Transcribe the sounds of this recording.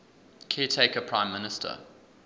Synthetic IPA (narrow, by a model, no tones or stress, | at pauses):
kʰiːtʰeɪkəpʰɹ̥ãɪ̃mːɪnɪstʰə̰